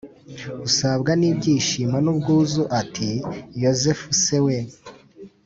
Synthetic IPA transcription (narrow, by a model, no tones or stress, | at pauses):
usabɡanibɟiːʃimanubɡuːzuʔatʰijozefusewe